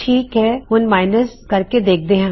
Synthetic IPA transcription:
ʈʰiːkɦɛɦʊnmaːɪnəs | kɐɾked̪eːk̚ʰd̪eɦɛ̃

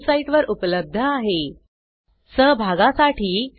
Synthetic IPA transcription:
saiʈʋəɾupləb̚d̪ʱəaɦe | səɦbʱaɡasaʈʰiː

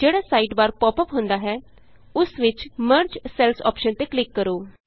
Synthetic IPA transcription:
d͡ʒeːɽaːsaːiːʈbaːɾpɔːpəpɦʊnd̪aːɦɛː | ʊsʋɪt͡ʃməɾd͡ʒsɛːlsɔ̰ːpʃənt̪eːklɪkːəɾoː

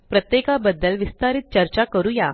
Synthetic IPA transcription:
pɾət̪jekabəd̪ːəlʋist̪aɾit̪̚t͡ɕəɾt͡ɕakəɾuːja

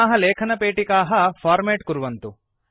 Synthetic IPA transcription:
ɦɐleːkʰɐnɐpeːʈikaːɦɐfʰaːɾmeːʈkuɾuʋɐnt̪u

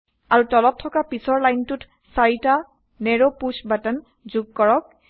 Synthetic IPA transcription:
aɹutɔlɔtʰːɔkapisɔɹlajntʊt | saɹita | nɛɹopusbatɛn | zuɡ̚kɔɹɔk̚

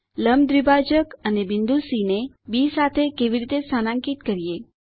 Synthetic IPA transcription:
ləmd̪ɾibad͡ʒəkənebind̪usine | bisat̪ʰekeʋiɾit̪esənãŋkit̪kəɾije

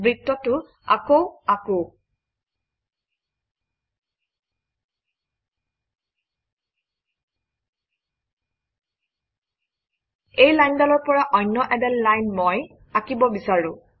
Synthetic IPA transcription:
bɹitːɔtʊ | a̰kowako | ejlajndɔlɔɹpɔɹaʔɔjnːɔʔɛdɛlːajnmɔj | akibɔbisaɹʊ̃

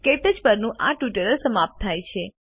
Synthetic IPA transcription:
keʈəd͡ʒpəɾnũʔaʈuʈəɾəlsəmap̚t̪ʰːajt͡ʃʰe

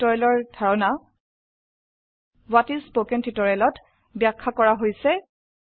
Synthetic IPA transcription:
ɔɹɛlɔɹdʱaɹɔna | watispokɛntitɔɹɛlɔt | bjakʰːakɔɹaɦojsɛ

